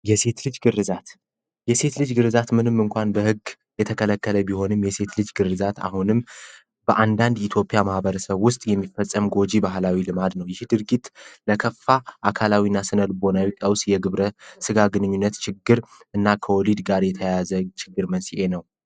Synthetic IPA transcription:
jɛse̞t̪lɨd͡ʒɡɨrːɨzat̪ | jɛse̞t̪lɨd͡ʒɡɨɾɨzat̪mɨnɨmːɨŋkʷanbəhɨɡ | jɛt̪ʰəkʰələkːələbiho̞nɨmjɛse̞t̪lɨd͡ʒɡɨrːɨzat̪a̰ɦunɨm | b̥əʔand̪and̪it̪ʰjo̞pʼjamahbəɾəsəβwʊst̪ʼjɛmːifəsʼːəmɡo̞d͡ʒibaɦlawilɨmad̪nəwjɛhed̪ɨɾɡit̪ləkʰəfːaʔakʰalawinːasɨnəlbo̞nawikʼəwsjɛɡɨβɾəsɨɡaɡɨnɨɲːunːət̪t͡ʃɪɡːɨɾɨnːakʰəwɔlid̪ɡaɾjɛt̪ʰəjazət͡ʃʰɪɡːɨɾmənsiʔe̞nəw

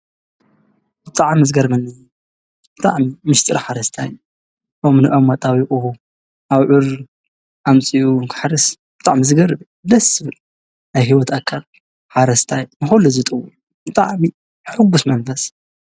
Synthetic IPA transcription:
bɨt̪ʼaʕmizɡɐɾmɐnːɨju | b̥ɨt̪ʼa̰ʕmimɨʃt̪ʼɨɾħaɾɐst̪ʰaj | ʔomnɨʔɐmːɐt̪ʼawiʔʼu | ʔaβʕʊɾ | ʔamt͡sʼijuŋkʰɨ̥ħɾɨs | b̥ɨt̪ʼa̰ʕmizɨɡɐɾɨbɨ | d̪ɐsɨβɨl | najɦiwɔt̪akʰːal | ħaɾɐst̪ʰajnɨxoluzɨt̪ʼɨwuʔ | bɨt̪ʼa̰ʕmi | ħɨɡːusmɐnfɐs

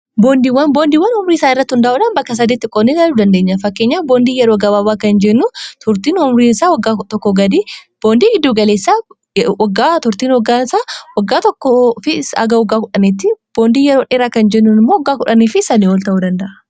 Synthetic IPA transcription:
boːnd̪iːwːɐnbo̞ːnd̪iːwːɐnhʊmɾiːɪsaːnɪrːɐt̪ːhʊnd̪ɐʔʊᶑɐːnbɐkːɐs̬ɐd̪iːt̪ːɪkʼoːnːid̪aluːd̪ɐnd̪eːɲːɐfɐkːe̞ːɲːaːboːnd̪iːjɛɾoːɡɐːbabaːkɐnd͡ʒɛnːuːt̪ʰʊɾt̪iːnʊmɾiːnɪsaːwɐɡːaːt̪ɔkːɔɡɐd̪iːb̥oːnd̪iːɡɪd̪ːuːɡɐle̞ːsːaː | wɐɡːaːt̪ʊɾt̪iːnwɔɡaːɪsaːwɐɡːaːt̪ɔkːɔfɪsɐ̰ɡɐɔɡːaːkʊᶑɐneːt̪ːɪb̥oːnd̪iːjɛɾoːᶑeːɾaːkɐnd͡ʒɛnːuːnɪmːoːɔɡːaːkʊᶑɐniːfɪsɐniːɔlt̪ɐʔuːd̪ɐnd̪ɐʔɐ̥

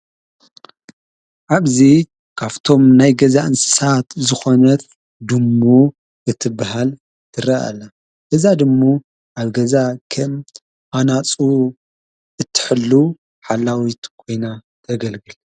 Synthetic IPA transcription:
ʔaβzi | kʰaβt̪ʰo̞mnajɡɐzaʔɨnsɨ̥sat̪zɨxo̞nɐt̪ | d̪ɨmːo | ʔɨt̪ʰːɨbaɦal | t̪ʰɨɾɐa̰lɐ | ʔɨzad̪ɨmːo | ʔaβɡɐzakʰɐm | anat͡sʼu | ʔɨt̪ʰːɨ̥ħɨlːu | ħalːawit̪kʰo̞jna | t̪ʰɐɡɐlɡɨl

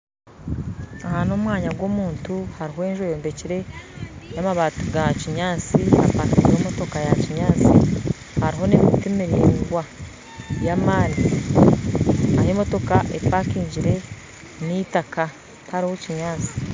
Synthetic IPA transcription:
ahaːnomwaːɲaɡwo̞ːmuːntuhaɾiɦoe̞ːɲʒojoːmbe̞ciɾe̞jamaβatuɡaciɲaːt͡sia̰pakiemo̞to̞kajaciɲaːt͡sḭ | haɾiɦo̞nemitemiɾiwa | jamaːni | ahemo̞to̞kaʔḛpakiːɲɟiɾe̞ | nitaka | haɾihociɲaːt͡si̥

